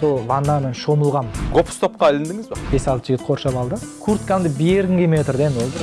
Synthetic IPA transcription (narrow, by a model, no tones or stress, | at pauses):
solˠvɑnːamenʃo̞məlˠʁɑmɡopst̪ʰo̞p̚qɑːlɪnd̪ɪŋɪzbeb̥e̞sɑlˠt̪əʒɪɡʲɪt̪̚qʰo̞ɾʃɑpɑlˠd̪əkʰuɾt̪kand̪əbeɾkʲɪŋɡʲemet̪rd̪end̪wold̪əɾ